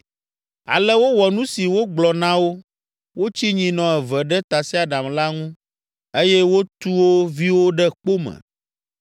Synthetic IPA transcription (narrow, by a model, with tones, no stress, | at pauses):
a̰˨lɛ˦wo˦wɔ˨nũ˦si˨wo˦ɡ͡blɔ˨nã˦wo˦ | wo˦t͡ɕi˦ɲĩ˨nɔ̃˨ɛ˨vɛ˨ɖɛ˦t̪a˨si˦a˨ɖa˨mla˦ŋũ˦ | e˦jɛ˦wo˦t̪u˦wo˦vi˦wo˦ɖɛ˦k͡po˦mɛ̰̃˨